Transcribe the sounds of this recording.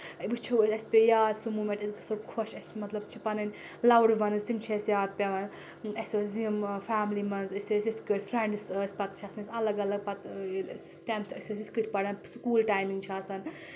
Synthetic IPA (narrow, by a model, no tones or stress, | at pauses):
bɨt͡ʃʰisʲɐsʲpʲejaːd̪sumumẽʈɐsʲɡɨsokʰoʃɐsʲmɐt̪lɐbt͡ʃʰipɐnɐnʲ | lɐwɽʋɐnɨszimt͡ʃʰesjaːt̪̚pʲeʋɐn | ɐsʲozimfaːmlimɐnzɐsʲosʲit̪ʰkɨɾʲfɾeɳɖɨsəːsʲpɐt̪̚t͡ʃʰasɐnɐsʲɐlɐɡɐlɐɡ̚pɐt̪sst̪ʲent̪ʰɨsʲɐs̬ʲit̪ʰʲkɨɾʲʰpɐɽɐnsukuːlʈaːjmiŋɡt͡ʃʰaːsɐn